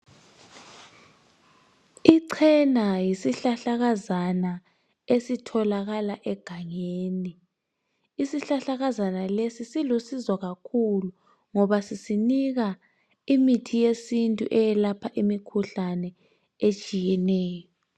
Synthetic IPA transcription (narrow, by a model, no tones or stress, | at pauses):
iǀʰɛnajisiɬaɬaɣazana | esitʰɔlaɣalaʔɛɡ̥ʱaŋeːni | isiɬaɬaɣazanalesisilusizɔɣakʰulu | ŋɔβasisiniɣa | imitʰijesintʼṵʔɛjɛlapʰaʔimikʰuɬanɛ | et͡ʃʼijɛnɛːjɔ